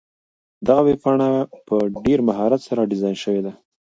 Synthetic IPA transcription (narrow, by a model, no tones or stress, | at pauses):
d̪aɣawepɑɳapəɖeɾmaɦɑɾat̪saɾaɖɪzɑjnʃəwed̪a